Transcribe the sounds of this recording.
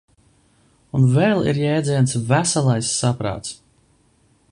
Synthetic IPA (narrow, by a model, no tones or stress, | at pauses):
unvɛlˠḭɾjɛːd̪zʲiɛnsvæsalˠajsːapɾa̰ːt̪s